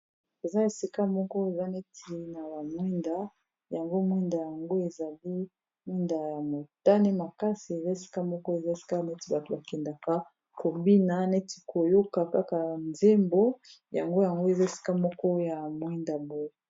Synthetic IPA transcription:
e˨za˦e˨si˦ka˦mɔ˦kɔ˦e˨za˦ne˦tʰi˨na˨ba˨mwɛ˦nda˦ | ja˨ŋɡo˦mwi˦nda˨ja˨ŋɡo˦e˨za˨li˦ | mwɛ˦nda˨ja˨mo˨ta˦ne˦ma˨ka˦si˨e˨za˦e˨si̥˦ka˦mɔ˦kɔ˦e˨za˦e˨si̥˦ka˦ne˦ti˨ba˨to˨ba˨kɛ˨nda˨ka˦ | ko˨bi˦na˦ne˦ti˨ko˨jo˦ka˨ka˦ka˨nze˦mbo˦ja̰˨ŋɡo˦ja˨ŋɡo˦e˨za˦e˨si̥˦ka˦mɔ˦kɔ˦ja˨mwɛ˦nda˨bo˦je˨

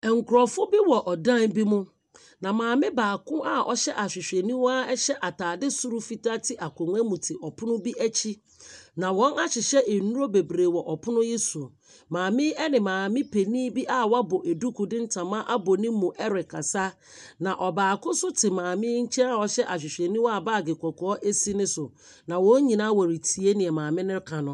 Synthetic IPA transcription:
ŋ̩˨kʰʊ˨ɾɔ˨fʊ˦bɪ˦wɔ˨ʔɔ˨dã˦˨nbi˦mʊ̃˦ | nã˨mãː˨mɪ̃˦baː˨kʰʊ̃˦ʔa˦ɔ̰˦ɕɛ˦ʔa˨ɕᶣɪ˨ɕᶣɛ˨nĩ˦wa˦ɛ˦ɕɛ˦ʔa˨tʰaː˨dɪ˦su˦ɾu˦fi˨ta˦tʰɪ˦ʔa˨kʰʊ̃˨ŋ˦ɛ˦mũ˨tʰɪ˨ʔɔ˨pʰʊ̃˦nʊ̃˦bi˦ʔæ˦t͡ɕʰi˦ | nã˨wɔ̃˦na˦ɕɪ˨ɕɛ˦ʔe˨nũ˦ɾo˦be˨bɾeː˨wɔ˨ʔɔ˨pʰʊ˦nʊ̃˦je˦su˨ | mãː˨mɪ̃˦ɛ˦nɪ̃˨mãː˨mɪ̃˦pʰe˨nĩː˦bi˦ʔa˦wɔ˦a˦bo˨ʔe˨du˦kʰʊ˨dɪ̃˦n̩˦tʰã˨mã˦ʔa˦bo˨nɪ̃˦mːũ˨ʔɛ˦ɾɪ˨kʰa˨sa˦ | nã˨ʔɔ˨baː˨kʊ˦sʊ˦tʰɪ˨mãː˨mɪ̃˦ɲ̩˦t͡ɕʰɛ˦a˨wɔ˨˦ɕɛ˦ʔa˨ɕ̬ᶣɪ˨ɕᶣɛ˨nĩ˦wɔ˦a˨baː˦˨ɡe˨kʷɔ˨kʰɔ˨˦ɔ˦ʔe˦si˦nɪ̃˦sʊ˨ | nã˨wɔ̃˦ɲĩ˨nã˦wɔ˨ɾi˨tʰi˨e˦nɪ̃˨ɛ˨mãː˨mɪ̃˦nɪ̃˦ɾkʰã˨nʊ̃˦

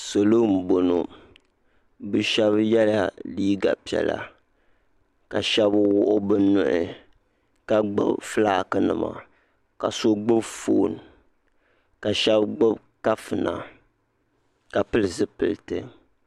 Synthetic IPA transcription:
so˨lo˦m̩˨bo˨no˨ | bɨ˦ʃɛ˦bjɛ˦la˦liː˦ɡa˨pi˨ɛ̰˨la̰˨ | ka˨ʃɛ˦bwʊ˦ʔʊ˦bɨ˦nʊ˦ʔɪ˨ | ka˦ɡ͡bɨ̰˦bflaː˦˨kɨ˦nɨ̰˨ma̰˨ | ka˨so˦ɡ͡bɨ˦bfoː˨n˨ | ka˨ʃɛ˦bɡ͡bɨ˦b | ka˦fɨ˨na̰˨ | ka˨pɨ˦lɨ˨zɨ˦pɨ˨ltɨ˦

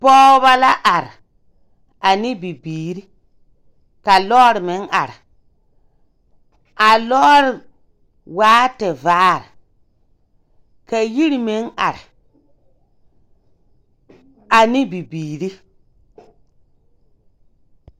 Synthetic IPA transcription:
pɔː˦ba˦la˦ʔa˨ɾ | a˨ni˦bi˨biː˨ɾi˦ | ka˨lɔː˦ɾme˨˦na̰˨ɾ | ʔa˨lɔ˦ɾ | waː˦te˨vaː˦ɾ | ka˨ji˦ɾi˦me˨˦na̰˨ɾ | a˨ni˦bi˨biː˨ɾi˦

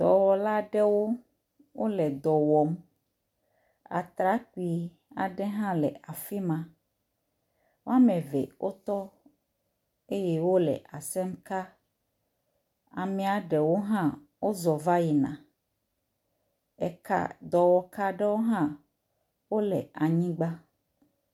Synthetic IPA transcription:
d̪̥ɔ̰˨wɔ˨la˦ɖɛ˦wo˦ | wʔo˦lɛ˨d̪ɔ˨wɔ˨m | a̰˨t̪ɾa˦ki˨˦ | a̰˨ɖɛ˦ɦã˦lɛ̰˨a˨fi˦mã˦ | wo˦a˦mɛ̃˨vɛ̰˨wʔo˦t̪ɔ˦ | e˦jɛ˦wo˦lɛ̰˨ʔa˨sɛ˦mka˦ | a̰˨mĩ˦a˨ɖɛ˨wo˦ɦã˦ | wo˦zɔ˨va˦ji˨nã̰˨ | ɛ̰˨ka̰˦d̪ɔ˨wɔ˨ka˦ɖɛ˦wo˦ɦã˦ | wo˦lɛ̰˨a˨ɲĩ˦ɡ͡ba˦

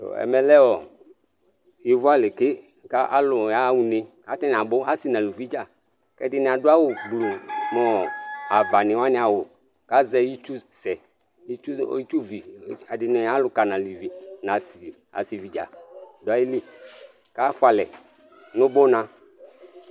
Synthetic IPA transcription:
to̰˨ɛ̰˨mɛ˨lɛ˦wɔ˨ | ji˨vʊ˦a˦lɪ˨kɪ˦ | ka˦ʔa̰˦lʊ˨ja˨˦wu˨ne˨ka˦tɛ˦n˨a˨bʊ˦a˦si˨nã˨lu˨vi˦d͡ʒa˦˨ | kɛ̰˦dɪ˦nɪ˨a˨dʊ˦a˦wʊ˨ɡ͡blu˨mɔ˨a˨va˨nɪ̃˨wa˦nɪ̃˦a˨wʊ˨ | ka˦zɛ˦ji˦t͡ʃu˦sɛ˨ | ji˦t͡ʃu˦i˦t͡ʃu˦vi˨˦a˨dɪ˨nɪ˨a˦lʊ˨ka˨nã˨li˨vi˨nã˨si˨ | a̰˨si˨vi˨d͡ʒa̰˨dʊ˨a˦i˦li˦ | ka˦fʊ˦a˨lɛ˨ | nʊ̃˦bo˦nã˨

